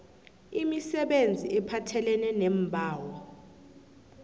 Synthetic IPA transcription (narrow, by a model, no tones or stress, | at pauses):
imisɛɓend͡zʱiʔɛpʰatʰɛlɛnɛnɛmbʱaːwɔ